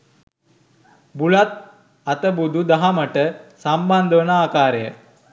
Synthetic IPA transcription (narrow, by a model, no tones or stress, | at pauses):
buɭat̪̚ | ɐt̪əbud̪ʱud̪ɐɦamɐʈəsɐmband̪ʋɐnaaːkaːɾjə̰